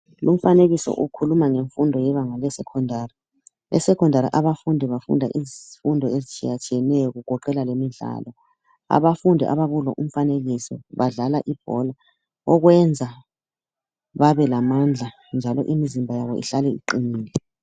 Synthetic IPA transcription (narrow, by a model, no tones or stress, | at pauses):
lum̩faneɣisɔ̰ʔukʰulumaŋeɱfundʱɔjɛβaŋalɛsɛkʰɔndʱaːri | lɛ̰sɛkʰɔndʱaɾḭʔaβafundʱɛβafṵndʱaʔizfundʱɔezit͡ʃʰʼijat͡ʃʰʼiɛnɛjɔɣuɣʱɔǃɛlalemiɮa̰lɔ | a̰βafundʱɛʔa̰βaɣulɔʔum̩faneɣisɔ̰βaɮalaʔib̥ʱɔla | ɔɣwɛnd͡zʱa | βaβɛlamand͡ɮʱa | nd͡ʒʱalɔ̰ʔimizimbʱajaβɔ̰ʔḭɬalɛḭǃiniːlɛ